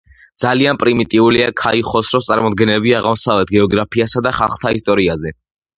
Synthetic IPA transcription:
d̪z̥alianpʼɾimit̪ʼiuliakʰaiχɔsɾɔst̪sʼaɾmɔd̪̚ɡɛnɛbiaʁamsavlɛt̪ʰɡɛɔɡɾapʰiasad̪aχalˠχt̪ʰaist̪ʼɔɾiazɛ

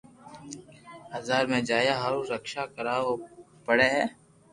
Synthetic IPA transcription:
aːzaːɾmẽːd͡ʒaːjaːɦəɾuɾəkʃaːkəɾaːo | pəɽeːɦɛː

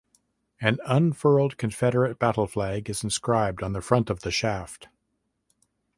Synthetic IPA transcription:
ɨ̃nʌ̃nfɜ˞l̩ˠd̚kʰɨ̃ɱfɛɾə˞ɨt̚b̥æɾl̩ˠflæɡɨzn̩skɹaɪb̚dn̩ðɨfɹʌ̃ntʌvðɨʃæft

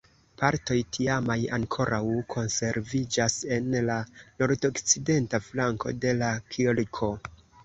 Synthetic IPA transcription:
paɾto̞jtʰiamajaŋkʰo̞ɾʔawkʰo̞nse̞ɾvid͡ʒase̞nlano̞ɾdo̞kt͡side̞ntaflaŋko̞̰de̞lakʰilkʰo̞

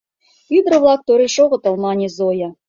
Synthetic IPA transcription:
yd̪rɤ̆vlˠɑk̚t̪oɾʲeʃoʁɤ̆t̪ɤ̆lˠmɑnʲezojɑ

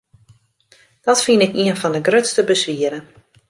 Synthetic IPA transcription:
d̥ɔtfinɪkiənfɔndəɡrøtstəbəsʋiəɾə

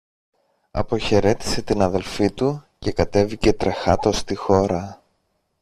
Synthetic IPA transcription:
ɐ̰po̞çe̞ɾe̞t̪i̥se̞t̪inɐðe̞lfit̪uce̞kɐt̪e̞vice̞t̪ɾe̞xɐt̪o̞st̪ixo̞ɾɐ

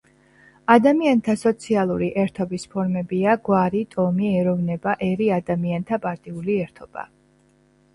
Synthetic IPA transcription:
ad̪amiant̪ʰasɔt̪sʰialˠuɾiʔɛɾt̪ʰɔbispʰɔɾmɛbiaɡwaɾit̪ʼɔmiɛɾɔvnɛbaʔɛɾiad̪amiant̪ʰapʼaɾt̪ʼiuliɛɾt̪ʰɔb̥a̰

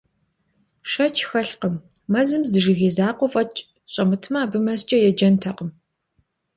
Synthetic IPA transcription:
ʂɐt͡ʃʰxɐɬqəmː | ɐzɨmzɨʐɪɣeːzaːqʷɔfʼɐt͡ʃʼ | ɕʼɐmɨtʰmɐːbɨmɐst͡ʃʼɐjɛd͡ʒɐntʰɐqəm

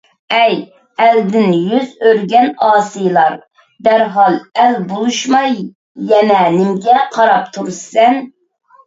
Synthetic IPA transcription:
ɛj | ɛld̪ɪnjyzøɾɡʲɛnɑːsɨjlˠɑɾ | d̪æɾɦɑlˠɛlbolˠuʃmɑj | jɛnɛnɪmɡʲɛqʰɑɾɑp̚t̪ʰuɾsɛn

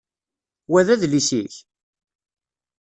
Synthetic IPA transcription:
wæðæðlisiç

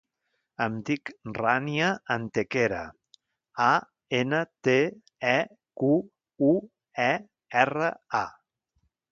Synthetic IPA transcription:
əmt̪ikranjaːnt̪ekeɾa̰ | a | enət̪e | ɛ | ku | u | ɛ | ɛrəa

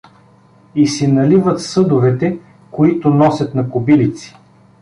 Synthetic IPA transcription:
isɛnɐlivət̪sɤd̪ʊvɛt̪ɛ | koit̪ʊnɔsʲɐt̪nɐkʊbilit̪si̥

